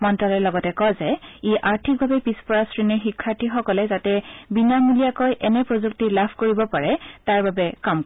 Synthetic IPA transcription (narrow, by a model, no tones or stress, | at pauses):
mɔntalɛlɔɡɔtɛkɔzɛeʔaɹtʰik̚bʱabɛpispɔɹasɹiniɹxikʰːaɹtʰixɔkɔlɛzatɛbinamulijakojʔɛnɛpɹozuktilapʰkoɹibɔpaɹɛtaɹbabɛkamk